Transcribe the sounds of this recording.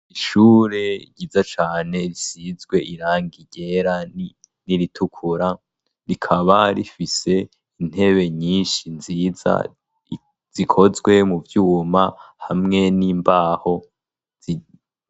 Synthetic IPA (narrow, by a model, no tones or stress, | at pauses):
iʃuːɾe̞ɟiːzat͡ʃaːne̞ɾisizɡwe̞ʔiɾaːŋɡiɟe̞ɾa | niɾitʰukʰuɾa | ɾikʰaβaɾifise̞ | in̥he̞βe̞ɲiːnʃinziːza̰ | z̥ikʰo̞zwe̞muvjuːmahamŋe̞niːmbaːho̞ | z̥i